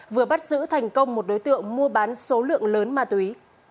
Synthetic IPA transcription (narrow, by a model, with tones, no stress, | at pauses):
vɨ˨˩əɓa˦˥t̚zɨ̰˧˥t̪ʰa˨˩jŋ̟kə˧wŋ͡mmo˨˩t̚ɗo˨˦jt̪ɨ̰˧˨əŋmu˧əɓaː˨˦nso˨˦lɨ̰˧˨əŋləː˨˦nmaː˧˩t̪wi˨˦